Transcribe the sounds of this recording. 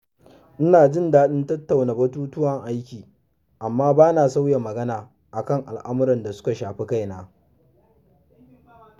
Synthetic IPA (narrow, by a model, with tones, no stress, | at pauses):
ʔɪ˦naː˨d͡ʒɪ˦˨ndaː˦ɗɪ˦ntɐ˦tːa˨wnaː˨bɐ˦tuː˦tʊ˦wɐ˨ŋʔa˦jkʲiː˨ | ʔa˨mːaː˦baː˦naː˨sa˦wja˨mɐ˨ɡɐ˦naː˨ | ʔa˨kɐ˦ŋʔa̰˨lʔa˦mʊ˦ɾɐ˨nda˨sʊ̥˦ka˨ʃaː˨ɸe˦ka˦jnaː˨